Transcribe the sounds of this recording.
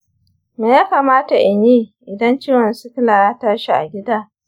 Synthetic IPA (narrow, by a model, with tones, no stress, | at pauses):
meː˨jaː˦kaː˨maː˦ta˨ʔɪ˨ɲiː˦ʔɪ˨dɐ˦nt͡ʃiː˦wɐ˨nsu˦kɪ˦naː˨ja˦taː˦ʃi˨ʔa̰˨ɡʲɪ˦daː˦